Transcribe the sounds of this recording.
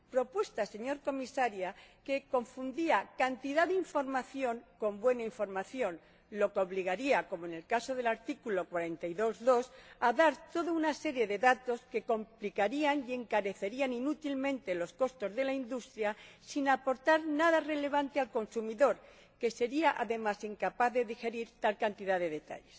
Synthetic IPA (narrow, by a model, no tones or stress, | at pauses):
pɾo̞pwe̞st̪ase̞ɲo̞ɾko̞misaɾjake̞ko̞ɱfund̪iakant̪iðaðiɱfo̞ɾmaθjo̞ŋko̞mbwe̞naiɱfo̞ɾmaθjo̞n | lo̞keo̞β̞liɣ̞aɾiako̞moene̞lkaso̞ðe̞laɾt̪ikulo̞kwaɾe̞nt̪aiðo̞zðo̞saðaɾt̪o̞ðaunase̞ɾje̞ðe̞ðat̪o̞ske̞ko̞mplikaɾiaŋje̞ŋkaɾe̞θe̞ɾianinut̪ilmẽ̞nt̪e̞lo̞sko̞st̪o̞zðe̞laind̪ust̪ɾjasinapo̞ɾt̪aɾnaðare̞le̞β̞ant̪ealko̞nsumiðo̞ɾ | ke̞se̞ɾiaʔa̰ðe̞masiŋkapaθðe̞ðixe̞ɾiɾt̪alkant̪iðaðe̞ðe̞t̪a̰ʎe̞s